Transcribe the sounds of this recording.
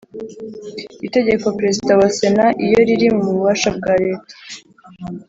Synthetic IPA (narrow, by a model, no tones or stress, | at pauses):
ite̞ɟe̞ko̞pɾe̞zidawase̞naʔijo̞ɾiɾimumuβuβaʃab̚ɡaːɾe̞ːtḁ